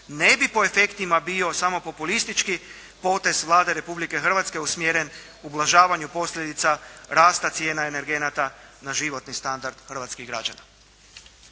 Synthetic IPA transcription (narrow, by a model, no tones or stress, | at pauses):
ne̞bipo̞e̞fe̞kt̪imabio̞samo̞po̞pulist̪it͡ʃki | po̞ːt̪e̞zʋlˠaːd̪e̞ɾe̞publike̞xr̩ʋat̪ske̞usmjeːɾe̞n | ublˠaʒaːʋaɲupo̞sʎʲe̞d̪it̪saɾaːst̪at̪sje̞ːnaene̞ɾɡe̞nat̪anaʒiʋo̞t̪nist̪and̪aɾd̪̥xər̩ʋat̪skiɣɡɾa̰d͡ʒana